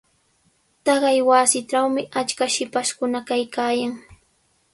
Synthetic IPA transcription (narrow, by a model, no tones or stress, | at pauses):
t̪ɑɢɑjwaːsɪʈ͡ʂawmɪʔat͡ʃkaʃɪpaʃkʊnakajkaːjaŋ